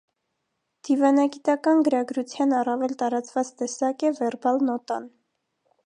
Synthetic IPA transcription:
d̪̥ivɑnɑɡit̪ɑkɑnɡəɾɑɡɾut͡sʰjɑnɑrɑvɛlt̪ɑɾɑt͡svɑt͡st̪ɛsɑkɛvɛrbɑlnɔt̪ɑn

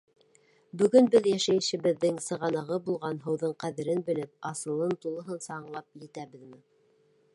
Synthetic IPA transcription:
bɵ̆ɡɵnbɘðjæʃæj̆ʃɘ̆βɘ̆ðːɘŋsɤ̆ʁɑnɑʁɤbulˠʁɑnɦɤ̆wðɤɴqæðɘ̆ɾɘnbɘ̆lɘp̚ɑsɤ̆lˠɤnt̪ulˠɤ̆ɦɤnsɑːɴlˠɑp̚jɘ̆t̪æβɘðmɘ

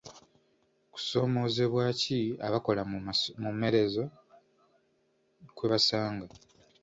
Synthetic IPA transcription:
ku̥so̞ːmo̞ːzeβwaːciaβako̞lamume̞ɾe̞zo̞ | kweβasaːŋɡa

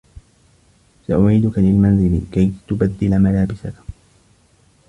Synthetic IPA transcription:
saʔʊʕiːd̪ʊkalɪlmanzɪlɪ̰kajt̪ʊbad̪ːɪlamalaːbɪsak

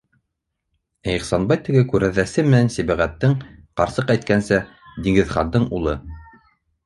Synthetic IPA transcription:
æiχsɑnbɑjt̪ɘ̆ɡɘkʉɾæðæsɘmɘ̆nænsiβæʁæt̪ːɘŋqɑɾsɤqæjt̪̚kænsæ | d̪iŋɡɘ̆ðχɑnd̪ɤɴulˠɤ

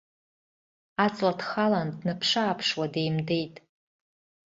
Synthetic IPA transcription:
at͡sʼadχalandnɨpʰʂaːpʰʂwadejmde̞jtʼ

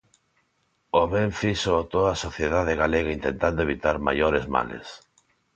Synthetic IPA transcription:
oβɛɱfisoat̪oðasoθjeðað̞eɣaleɣaint̪ent̪and̪oeβit̪aɾma̰joɾezma̰lḛs

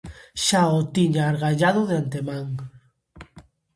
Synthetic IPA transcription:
ʃaot̪iɲaːɾɣaʎað̞oðeant̪emaŋ

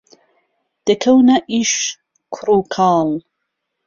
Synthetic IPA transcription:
d̪̥əkʰɐwnaʔiʃ | kʰɾukʰaːl

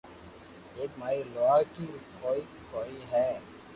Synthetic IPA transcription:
eːkmaːɾiloaɡkiʊpʰoːikʰoːiɦɛː

